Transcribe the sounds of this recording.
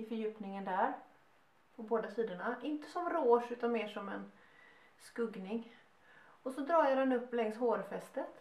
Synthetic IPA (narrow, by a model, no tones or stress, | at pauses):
ɪfœɾjʉ̟ːpnɪŋənd̪æɾ | pʰɔboːd̪asiːd̪əɳaʔɪnt̪ə̥sɔmɾoːʂʉ̟ːt̪anmeːʂɔmɛn | skɵɡnɪŋ | ɔsɔd̪ɾɑːjaɾɛnɵpːlɛŋsɦoːɾfɛst̪ət̪